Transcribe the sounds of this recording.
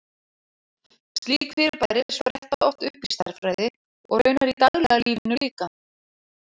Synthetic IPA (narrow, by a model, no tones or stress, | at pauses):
st̪liːkfɪɾɪɾpajɾɪ̥svɾɛhht̪aðɔht̪ʏhpɪ̥st̪aɾ̥fɾajðɪ | ɔ̰ɣœɥnaɾit̪aɣlɛɣaliːvɪnʏliːka